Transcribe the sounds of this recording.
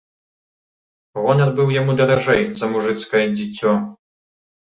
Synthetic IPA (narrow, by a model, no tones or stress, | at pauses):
ɣɔnʲad̪bɨwjamud̪ɐɾaʐɛjzɐmuʐɨt̪skɐjɛd͡zʲit͡sʲːɔ